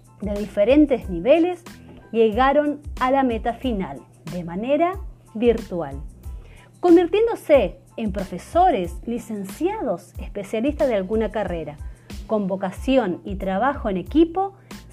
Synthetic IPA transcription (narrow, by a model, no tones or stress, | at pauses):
d̪e̞ðifeɾe̞nt̪e̞zniβe̞le̞sʎe̞ɣaɾo̞nalame̞t̪afina̰l | d̪e̞mane̞ɾa | βiɾt̪wal | ko̞mbiɾt̪je̞nd̪o̞se̞ː | mpɾofe̞so̞ɾeslise̞nsjað̞o̞sespe̞sjalist̪aðealɣunakare̞ɾako̞mbo̞kasjo̞nit̪ɾaβaxo̞ene̞kipo̞